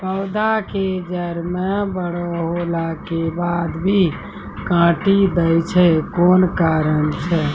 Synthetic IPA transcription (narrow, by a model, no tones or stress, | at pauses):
pəwd̪ʱaked͡ʒəɾmẽbəɽɔɦolakebad̪bʱi | kãʈid̪əjt͡ʃʰɛkonkaɾənt͡ʃʰɛ